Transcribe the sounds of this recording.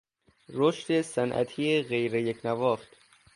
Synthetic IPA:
ɾoʃt̪esænʔæ̰t̪ʰiːeɣejɾejekʰnævɒːft̪

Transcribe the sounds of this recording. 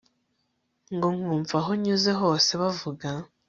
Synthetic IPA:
ŋɡo̞ŋ̥uːɱvaɦo̞ɲuːzeɦo̞ːse̞βavuɡa

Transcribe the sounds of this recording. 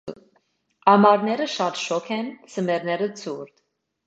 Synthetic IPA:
ɑmɑɾnɛɾəʃɑt̪ʃɔkʰɛnt͡sʰəmɛɾnɛɾət͡sʰuɾd̪

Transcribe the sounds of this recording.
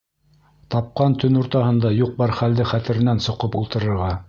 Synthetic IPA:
t̪ɑp̚qɑnt̪ʰɵnuɾt̪ɑhɤ̆nd̪ɑjuq̚bɑɾχæld̪ɘχæt̪ɘ̆ɾɘ̆nænsŏqɤpulˠt̪ɤ̆ɾɤ̆ɾʁɑ

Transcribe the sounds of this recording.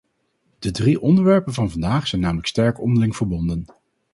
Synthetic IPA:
d̥ədriʔɔndəɹʋɛɹpənvɑnvɑndaːχsɛjnːaːmələkstɛɹkɔ̰ndəɹlɪŋv̥əɹbɔndən

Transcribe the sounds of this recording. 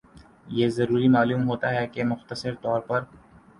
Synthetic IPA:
jeːzɐɾuːɾimaːluːmɦoːt̪aɦɛkemʊxt̪əsɪɾt̪ɔːɾpɐɾ

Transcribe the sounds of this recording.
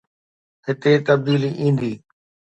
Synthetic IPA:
ɦɪt̪et̪əb̚d̪iːliʔĩːn̆d̪iː

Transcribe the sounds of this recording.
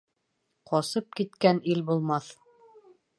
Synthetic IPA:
qɒsɤp̚kit̪kænilbulˠmɑθ

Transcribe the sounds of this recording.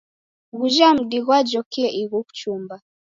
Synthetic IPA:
ɣuʒam̩ɗiɣwad͡ʒɔkɛʔiɣuku̥t͡ʃumba

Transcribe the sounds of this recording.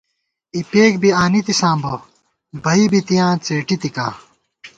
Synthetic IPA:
ipeːk̚biaːnit̪isãːbɐ | bʱɐibit̪ijãːt͡seːʈit̪ika̰ː

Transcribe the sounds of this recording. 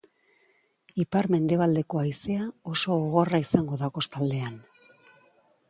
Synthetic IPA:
ipaɾme̞nd̪e̞β̞ald̪e̞ko̞ajse̞ao̞so̞oɣo̞raisaŋɡo̞ðako̞st̪ald̪e̞an

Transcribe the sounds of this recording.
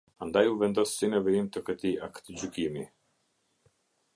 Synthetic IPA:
and̪ajuvɛnd̪ɔsːinɛvɛimt̪əkət̪iakə̥t̪əd͡ʑykimi

